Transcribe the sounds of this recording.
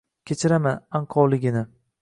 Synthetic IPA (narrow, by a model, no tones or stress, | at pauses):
kʲʰet͡ʃʰɪɾamanaɴqʰɒɾlɪɡʲɪnɪ